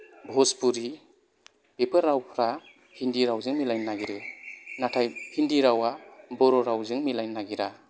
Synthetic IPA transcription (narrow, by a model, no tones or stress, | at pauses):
bʱɔspuɾi | pepʰɯɾːawpʰɾa | hindiɾawzɯŋmilajnːaɡiɾɯnatʰajhindiɾawabɔɾɔɾawzɯŋmilajnːaɡiɾa